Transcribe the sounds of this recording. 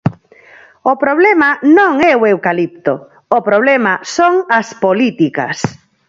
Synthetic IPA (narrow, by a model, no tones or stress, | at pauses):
opɾoβlɛmanõŋɛoewkalip̚t̪o | opɾoβlɛmasoŋɐspolit̪ikɐ̰s